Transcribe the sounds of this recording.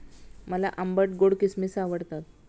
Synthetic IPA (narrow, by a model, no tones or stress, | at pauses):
məla̰ʔəmbəʈ̚ɡoɽkismiːsaʋəɽt̪at̪